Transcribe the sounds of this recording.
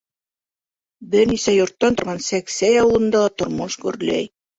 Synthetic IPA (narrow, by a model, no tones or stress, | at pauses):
bɘɾnisæjŏɾt̪ːɑnt̪ŏɾʁɑnsæksæjɑwɤ̆lˠɤ̆nd̪ɑt̪ŏɾmoʃɡʉɾlæ̰j